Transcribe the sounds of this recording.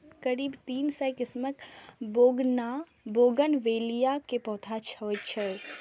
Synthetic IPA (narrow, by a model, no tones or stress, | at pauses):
kəɾiːbt̪iːnsəjkɪsməkboɡna | boːɡənʋeːlijakepɔ̃ːt̪ʰat͡ʃʰəʋət͡ʃʰɛ